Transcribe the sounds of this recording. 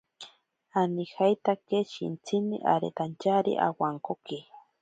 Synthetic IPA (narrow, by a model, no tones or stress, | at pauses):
anihajt̪akeʃḭnt͡sʰinḭʔa̰ɾet̪ant͡ʃaɾḭʔa̰waŋkoke